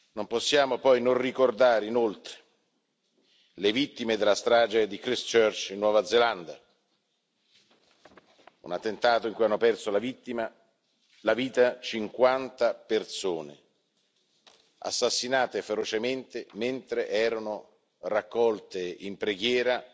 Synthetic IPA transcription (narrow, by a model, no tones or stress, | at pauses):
nomposːjaːmopɔjnonrikord̪aːɾeinolt̪ɾe̥ | levit̪ːimed̪elːast̪ɾaːd͡ʒed̪ikɾist͡ʃørt͡ʃinːwɔːvad̪zeland̪a̰ | ṵnat̪ːent̪aːt̪oiŋkujanːopɛrsolavit̪ːima | laviːt̪at͡ʃiŋkwant̪apersoːnḛ | a̰sːasːinaːt̪efeɾot͡ʃement̪ement̪ɾeʔɛːɾano | rakːɔlt̪eimpɾeɡjɛːɾa